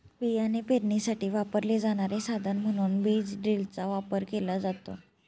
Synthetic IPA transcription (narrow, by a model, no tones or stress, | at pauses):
ʋianepeɾɳisaʈiːʋapəɾled͡zaɽ̃aɾesad̪ʱənm̤əɽ̃uːnbid͡zɖɾilt͡saʋapəɾkelad͡zat̪o̰